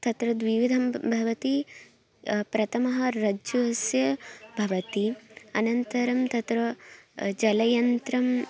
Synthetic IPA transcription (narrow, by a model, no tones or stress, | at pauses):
t̪ɐt̪ɾɐd̪ʋiʋid̪ʱɐmbʱɐʋɐt̪i | pɾɐt̪ʰɐmɐɦɐɾɐd͡ʒuɦɐsjɐbʱɐʋɐt̪iɐnɐnt̪ɐɾɐmt̪ɐt̪ɾɐ | d͡ʒɐlɐjɐnt̪ɾɐm